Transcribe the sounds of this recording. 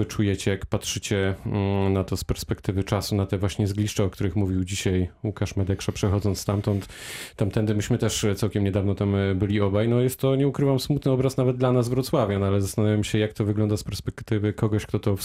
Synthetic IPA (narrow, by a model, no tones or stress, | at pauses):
ɘt͡ʂujɛt͡ɕɛjakpatʂɘt͡ɕɛ | nat̪ɔspɛɾspɛkt̪ɘvɘt͡ʂasunat̪ɛvwaɕɲɛzɡlʲiʂt͡ʂɛɔkt̪uɾɘxmuvʲiwd͡ʑiɕajukaʂmɛd̪ɛkʂapʂɛxɔd̪zɔnt̪st̪amt̪ɔnt̪t̪ːamt̪ɛnd̪ɘmɘɕmɘt̪ɛʂt̪sawkʲɛmɲɛd̪avnɔt̪ambɘlʲiɔbajnɔjɛst̪ːɔɲɛukɾɘvamsmut̪nɘɔbɾasnavɛd̪̚d̪lanazvɾut̪swavʲjɔnalɛzast̪anavjamɕɛjakt̪ɔvɘɡlɔnd̪aspɛɾspɛkt̪ɘvɘkɔɡɔɕkt̪ɔt̪ɔf